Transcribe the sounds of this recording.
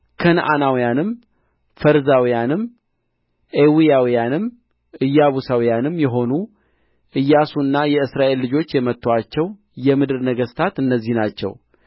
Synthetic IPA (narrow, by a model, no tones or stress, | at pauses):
kʰənʔanawijanɨm | fəɾzawijanɨm | ʔewijawijanɨm | ʔɨjːaβusawijanɨmjɛɦo̞nu | ʔɨjːasuɨnːajɛɨsɾaʔe̞lːɨd͡ʒo̞t͡ʃːjɛmət̪ːoat͡ʃːɛw | jɛmɨd̪ɨɾnəɡəst̪ʰat̪ɨnːəzːihnat͡ʃːɛ̰w